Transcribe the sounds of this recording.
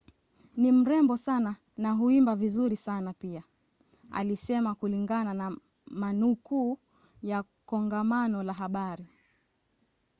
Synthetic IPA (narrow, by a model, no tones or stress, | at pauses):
nim̩ɾɛmbɔsana | naɦuimbavizuɾisanapia | a̰lisɛmakuliŋɡanana | manukuː | ja | kɔŋɡamanɔlaɦaɓaɾi